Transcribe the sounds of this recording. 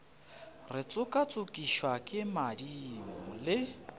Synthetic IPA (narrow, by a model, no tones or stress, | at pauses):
rɪt͡sʼʊkʼat͡sʼʊkʼiʃwakʼɪmadimʊlɪ